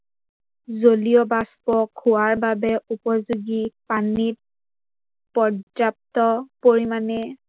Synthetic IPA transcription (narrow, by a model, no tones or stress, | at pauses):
zolijɔbaspɔkʰːʊwaɹbabɛʔupɔzuɡipanit̚ | pɔd͡ʒap̚tɔpoɹimanɛ